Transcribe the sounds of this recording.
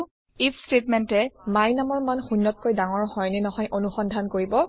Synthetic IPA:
ipʰstetmɛntɛmajnamɔɹmanxunːɔt̚kojdaŋɔɹhɔjnɛnɔɦɔjʔonuxɔndʱankoɹibɔ

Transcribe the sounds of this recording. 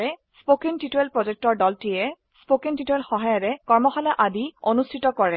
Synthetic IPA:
ɛspokentitoelpɹɔzek̚tɔɹdɔltijɛ | spokentitoelxɔɦajɔɹɛkɔɹmɔxɔlaʔadionustʰitɔkɔɹɛ

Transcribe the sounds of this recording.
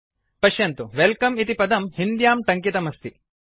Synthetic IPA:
pɐʃjɐnt̪uʋelkɐmit̪ipɐd̪ɐmhind̪jaːmʈ̪ɐŋkit̪ɐmɐst̪i

